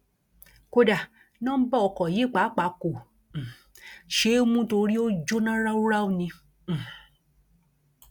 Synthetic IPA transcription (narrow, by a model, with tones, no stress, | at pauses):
ko˧da˨ | nã˦bɔ˦ɔ˨kɔ˨je˨˦˨k͡pa˨˦k͡pa˨˦kõ˨ | ʃe˨˦o˦mũ˦to˧ɾi˦o˦d͡ʒo˦nã˦ɾa˦u˦ɾa˦o˧nĩ˧˨